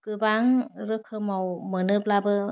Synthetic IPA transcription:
kɯbaŋɾɯkʰɯmɔwmɯnɯblabɯ

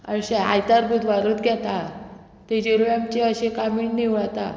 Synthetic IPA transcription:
əɾɕea̰jt̪aɾbʱuːt̪ʋaɾuːt̪ɡɛt̪a | t̪ed͡ʑiɾuamt͡ɕeəɕekamiːɳniʋɭat̪a

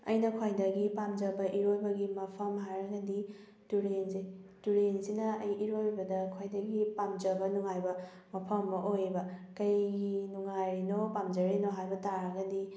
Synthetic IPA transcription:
ɐ̰jnɐkʰajdɐɡipamd͡ʒɐbɐʔiɾojbɐɡimɐpʰɐmɦajɾɐɡɐdi | tuɾenzetuɾensinɐɐjiɾojbɐdɐkʰajdɐɡipamd͡ʒɐbɐnuŋajbɐ | mɐpʰɐmːɐʔojbɐkɐjɡinuŋajɾinopamd͡ʒɐɾinoɦajbɐtaɾɐɡɐdi

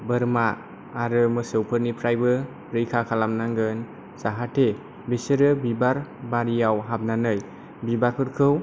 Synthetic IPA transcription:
bɯɾmaː | ɾɯmɯsɯwpʰɯɾnipʰɾajbɯ | ɾɯjkʰakʰalamnaŋɡɯn | zaɦatʰe | besɯɾɯbibaɾbaɾijawɦab̚nanɯj | bibaɾpʰɯɾkʰɯw

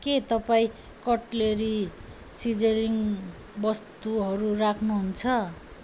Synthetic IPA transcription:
ket̪ʌpaĩ | kʌʈleɾi | sid͡zeɾiŋ | bʌst̪uɦʌɾurakʰnuɦunt͡sʰʌ

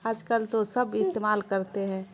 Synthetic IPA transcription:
aːd͡ʒkəlt̪osəbʱɪst̪eːmaːlkəɾt̪eɦɛ̃ː

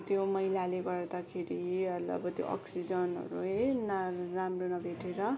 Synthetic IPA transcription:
t̪jomʌɦilaleɡʌɾd̪akʰeɾiʌlʌ̰bʌt̪jo̰ʔʌ̰ksid͡zʌnʌ̰ɾuenaramronʌbʱeʈeɾʌ

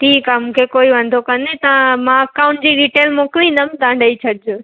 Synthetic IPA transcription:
ʈʰiːkamũːkʰekoːiʋɐ̃nd̪ʱokɐnet̪ɐ̃mãkaːʊnd͡ʑiːɖiːʈeːlmoːkɪlinɐmd̪ãːɳɖəit͡ɕʰɐɽd͡ʑo

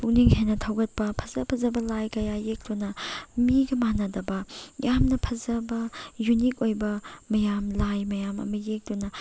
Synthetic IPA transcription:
puk̚niŋhenɐtʰawɡɐt̚pɐpʰɐzɐpʰɐzɐbɐlajkɐjajek̚d̥unɐmiɡɐmanɐdɐbɐjamnɐpʰɐzɐbɐjunik̚ojbɐmɐjamlajmɐjamɐ̰mɐjek̚dunɐ

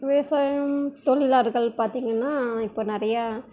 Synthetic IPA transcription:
ʋeːsaːjɐmt̪ɔɭɪlaːɾɣɐɭpaːɾt̪iːŋɡɐnːaːɪpːoːnɪɾɐjɐ

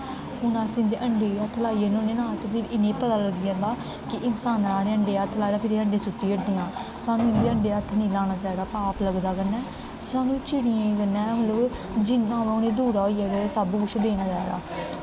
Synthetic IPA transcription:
ʊnãːsiɪ̃nd̪eːʔəɳɖeːət̪ʰːlaːiənonẽːnãːt̪epʰɪɾɪnẽːpət̪aːləɡɪjãːd̪aː | kɪʔɪnsaːnɾaːneəɳɖeːət̪ʰːlaːd̪aːpʰɪɾeəɳɖeːsʊʈːiːəʈd̪ijãː | saːnũːɪ̃nd̪eːəɳɖeːət̪ʰːnĩːlaːñaːt͡ʃaːiːd̪aːpaːpləɡd̪aːkənːɛː | t̪ːsaːnũːt͡ʃɪɽɪjẽːkənːɛ̃ːmət̪ləb | d͡ʒɪnːãːʋẽʊnẽːd̪uːɽaːɦoijaːɡeːsaːbuːkʊt͡ʃʰd̪eːnaːd͡ʒaːid̪a̰ː

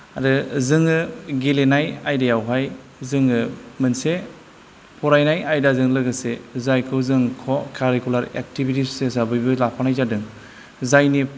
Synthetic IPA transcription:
adɯzɯŋɯɡelenajajdajawɦaj | zɯŋɯmɯnse | pʰɔɾajnajajdazɯŋlɯɡɯsezajkʰɯwzɯŋkʰɔkʰaɾikulaɾḛk̚tibitises̬abɯjbɯlapʰanajzadɯŋ | zajni

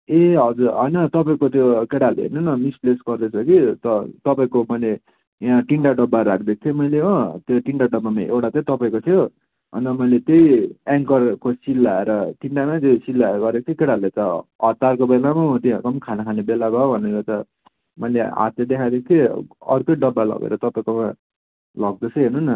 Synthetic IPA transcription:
eɦʌd͡zuɾɦʌjnʌt̪ʌpaĩkot̪ʰjokeɽalḛnʌnʌmisplesɡʌrd̪et͡sʰʌkit̪ʌt̪ʌpaĩkomʌjle | ãʈiɳʈaɖʌbːaɾak̚ʰd̪ek̚ʰt̪ʰimʌjleɦõt̪joʈiɳʈaɖʌbamaʔewʈat͡s̪ʰjt̪ʌpaĩkot̪ʰijo | ɦʌ̰nd̪ʌmʌjlet̪ejaŋkʌrkosilːaeɾʌʈiɳʈamat̪esilːaeɾɡʌd̪ek̚t̪ʰikeɽalet͡sʌʌt̪ːarkobelamat̪iakʌmkʰanakʰanebelabʱaobʱʌneɾʌt͡sʌ | mʌjlea̰t̪ed̪ekʰad̪ek̚ʰt̪ʰjiʌrkojɖʌbːalʌ̰ɡḛɾʌt̪ʌpaĩkoma | lʌɡ̚d̪ʌt͡sʰʌɦenonːʌ

